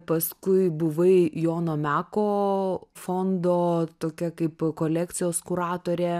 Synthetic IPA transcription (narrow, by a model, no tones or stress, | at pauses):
pɐskʊɪbʊʋɐɪjoːnoːmʲæːkoːfond̪oːt̪oːkʲɛkɐɪpkoːlʲæːkt̪sʲɪjoːskʊɾɑːt̪oːɾʲeː